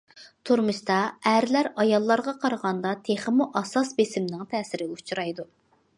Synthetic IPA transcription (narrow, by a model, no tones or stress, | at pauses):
t̪ʰuɾmɨʃt̪ɑæɾlæɾɑjɑlˠːɑɾʁɑqʰɑɾəʁɑnd̪ɑt̪ʰeχəmuʔɑsɑsbesɪmnɪŋt̪ʰɛːsɪɾɪut͡ʃʰuɾɑjd̪u